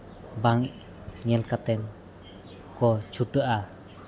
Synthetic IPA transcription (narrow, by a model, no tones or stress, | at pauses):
baŋʔ | ɲɛlkat̪ɛn | kɔt͡ʃuɖəʔa